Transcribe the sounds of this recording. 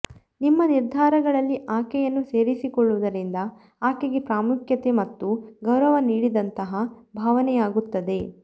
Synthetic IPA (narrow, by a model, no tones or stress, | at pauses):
nimːɐniɾd̪ʱaːɾɐɡɐɭɐlːiʔaːkɛjɐnːuse̞ːɾisikɔɭːuʋud̪ɐɾind̪ɐ | aːkeɡe̞pɾaːmukʰjɐt̪e̞mɐt̪ːuɡɐwɾɐʋɐniːɽid̪ɐnt̪ɐɦɐbʱaːʋɐnɛjaːɡut̪ːɐd̪e̞